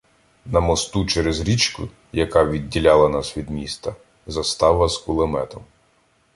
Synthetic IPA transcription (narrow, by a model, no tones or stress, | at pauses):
nɐmɔst̪ut͡ʃɛɾezɾʲit͡ʃkʊ̰ | jɐkɑʋʲidʲːilʲɑlˠɐnɑsʋʲid̪mʲist̪ɐ | zɐst̪ɑʋɐzkʊlˠemɛt̪ɔm